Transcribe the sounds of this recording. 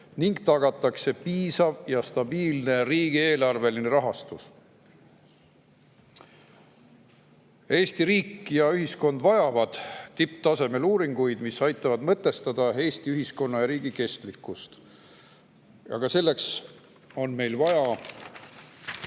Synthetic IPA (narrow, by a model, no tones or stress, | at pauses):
niŋɡt̪ɑɡ̥ɑt̪ːˑɑkse̞piːsɑvjɑst̪ɑbiːlne̞riːɡ̥ie̞ːlɑrve̞line̞ɾɑɦɑst̪us | e̞ːst̪iɾiːkːjɑyɦisko̞nd̪vɑjɑvɑd̪̥t̪ipːˑt̪ɑse̞me̞luːɾiŋɡ̥ujd̪̥misɑjt̪ːˑɑvɑd̪mɤt̪ːˑe̞st̪ɑd̪̥ɑe̞ːst̪iyɦisko̞nːɑjɑɾiːɡike̞st̪likːˑust̪ | ɑ̰ɡ̥ɑse̞lːe̞ks | o̞nme̞jlvɑjɑ